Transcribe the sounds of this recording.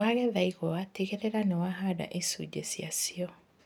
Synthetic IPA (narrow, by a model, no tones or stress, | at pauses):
aɣɛðaiɣɔwateɣeɾeɾanewaɦada̰ʔesṵd͡ʑesiasiɔ